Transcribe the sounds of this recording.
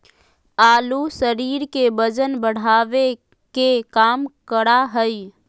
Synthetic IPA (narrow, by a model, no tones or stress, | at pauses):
aːlusəɾiːɾkebəd͡ʒənbəɽ̤aːʋe | kekaːmkəɽaɦəi